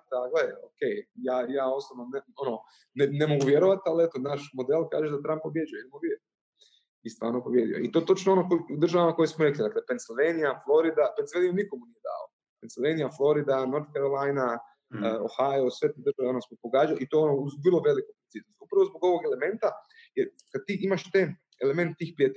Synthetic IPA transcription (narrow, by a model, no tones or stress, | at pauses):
d̪aɡleokejjaːjaːo̞slˠoʋnoneo̞no | nenemo̞ɡuʋjeɾoʋat̪ialiet̪onaʃmo̞d̪elˠka̰ːʒed̪at̪ɾamppobjed͡ʒujoid̪moʋe | ist̪ʋa̰ːɾnopobje̞d̪ijo̰it̪ot̪o̞t͡ʃnoo̞nokud̪ɾr̩ʒaʋamako̞jesmoɾeklid̪aklepent̪silʋejnijaflˠo̞ɾid̪apent̪selʋenijniko̞munijed̪a̰ːlo̰ | pent̪silʋenijaflˠo̞ɾid̪anoɾt̪̚keɾlajna | o̰xaosʋet̪ed̪ɾrʒaʋeonosmopoɡaːd͡ʒalit̪oːeonouzʋrlˠoʋe̞likupɾinsip̪nosupɾaʋozboɡo̞ʋoɡe̞le̞me̞nt̪a | je | kad̪̚t̪iʔimaʃt̪e | eleme̞nt̪e̥t̪iːxpɾiat̪e